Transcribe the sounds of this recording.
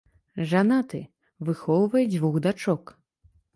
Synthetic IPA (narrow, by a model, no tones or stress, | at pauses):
ʐanat̪ɨ | vɨxɔwvɐjɛd͡zʲvuɣd̪at͡ʂɔk